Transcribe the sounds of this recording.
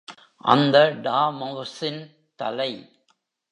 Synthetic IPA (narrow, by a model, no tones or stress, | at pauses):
ʔɐ̰nd̪ɐɖaːmɐʋsɪn | t̪ɐ̰lɐɪ